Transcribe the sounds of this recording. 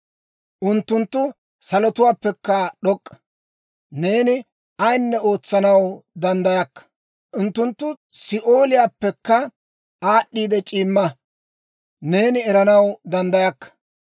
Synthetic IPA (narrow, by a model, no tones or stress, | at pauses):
ʔʊnt̪ːʊnt̪ːʊ | sɐlɔt̪ʊwaːpːɛkːɐɗɔkʼːɐ | ne̞ːnɪ | ɐjnːɛoːt͡sːɐnɐwd̪ɐnd̪ɐjɐkːɐ̥ | ʊnt̪ːʊnt̪ːʊ | sɪʔo̞ːlɪjaːpːɛkːɐ | aːɗːiːd̪ɛt͡ʃʼiːmːɐ | ne̞ːnɪɛɾɐnɐwd̪ɐnd̪ɐjɐkːɐ̥